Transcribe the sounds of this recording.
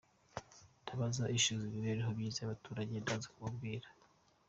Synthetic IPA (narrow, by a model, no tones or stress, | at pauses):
tʰaβazaʔiʃuziβiβeɾiɦo̞bjiːzajaβatuːɾaɟe̞ndazḁkuβabɡiːɾḁ